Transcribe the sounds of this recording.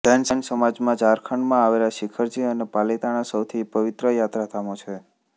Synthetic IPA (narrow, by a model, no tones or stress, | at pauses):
d̪ɛnsənsəmad͡ʒmãd͡ʒaɾkʰəɳmãaʋelaʃɪkʰəɾd͡ʒiənepalit̪aɽ̃ãsəwt̪ʰipəʋit̪ɾəjat̪ɾat̪ʰamot͡ʃʰe